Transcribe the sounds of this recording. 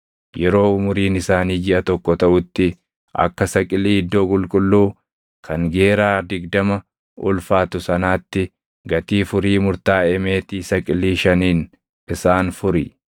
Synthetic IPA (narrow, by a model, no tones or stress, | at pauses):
jɛɾo̞ːʊmʊɾiːnɪsaːniːd͡ʒɪʔɐt̪ɔkːɔt̪ɐʔʊt̪ːɪ | ʔɐ̰kːɐsɐkʼɪlːiːɪd̪ːo̞ːkʼʊlkʼʊlːuː | kʰɐŋɡe̞ːɾaːd̪ɪɡd̪ɐmɐ | ʊlfaːt̪ʊsɐnaːt̪ːɪ | ɡɐt̪iːfʊɾiːmʊɾt̪aːɛmeːt̪isɐkʼɪlːiːʃɐniːn | ɪsaːnfʊɾɪ